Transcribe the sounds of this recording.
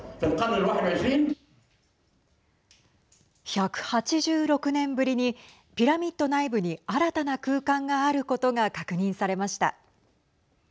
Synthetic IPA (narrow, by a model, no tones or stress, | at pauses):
filqɑbɾɪlwaħɪd̪ʕaʒiːn | çakɯ̟̥hat͡ɕiʑɨːɾo̞kɯ̟nẽ̞mbɯ̟ɾʲiɲ̟i | pʲiɾamʲit̪ːo̞naibɯ̟ɲ̟iaɾat̪anakɯːkãŋɡaːɾɯ̟ko̞t̪o̞ɡakakɯ̟ɲ̟ĩɰ̃saɾe̞maɕi̥t̪a̰